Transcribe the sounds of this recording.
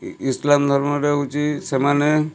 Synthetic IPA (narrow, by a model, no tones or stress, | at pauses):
islamd̪ʱɔɾmɔɾeut͡ʃisemane